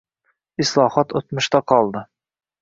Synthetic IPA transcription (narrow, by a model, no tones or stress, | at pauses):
ɪslˠɒhɒt̪ot̪mʊʃt̪aqʰɒlˠd̪ɪ